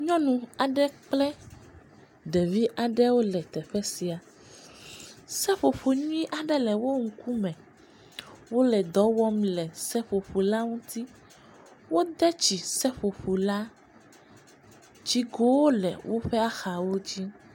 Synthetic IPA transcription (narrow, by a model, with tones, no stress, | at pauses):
ɲɔ̃˦nũ˨a˨ɖɛ˦k͡plɛ˦ | d̪ɛ˨vi˦ʔa˨ɖɛ˦wo˦lɛ˨t̪ɛ˨ɸɛ˦si˨a˨ | sɛ˦ɸo˨ɸo˨ɲũ˦ĩ˦ʔa˨ɖɛ˦lɛ˨wo˦ŋ̩˨ku˦mɛ̃˨ | wo˦lɛ˨d̪ɔ˨˦wɔ˦mlɛ˨sɛ˦ɸo˨ɸu˨la˦ŋũ˦t̪i˦ | wo˦d̪ɛ˦t͡ɕi˨sɛ˦ɸo˨ɸu˨la˦ | d͡ʑi˦ɡo˦wo˦lɛ˨wo˦ɸɛ˦a˦xa˨wo˦d͡ʑi˦